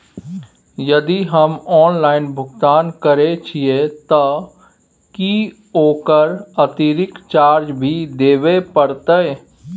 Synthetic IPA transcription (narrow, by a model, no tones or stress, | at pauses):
jɐd̪iɦɐmɔːnlaːɪnbʱʊɡt̪aːnkəɾet͡ʃʰiet̪ɔ | ki | oːkəɾɐt̪iɾɪkt͡ʃaːɾd͡ʒbʱid̪eːʋepəɽɾt̪ee